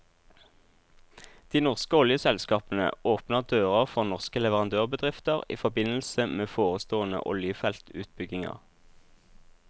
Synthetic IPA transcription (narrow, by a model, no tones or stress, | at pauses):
d̪̥iːnɔʁskəɔljəsɛlskɑːpn̩ə̰oːpnəʁd̪øːʁəʁfɔʁnɔʁskəlɛʋəʁɑnd̪øːʁbəd̪ʁɪft̪əʁḭːfɔbɪnl̩səmeːfoːʁəst̪oːənə̰ʔɔ̰ljəfɛlt̪ʉ̰ːt̪̚bʏɡɪŋə̰ʁ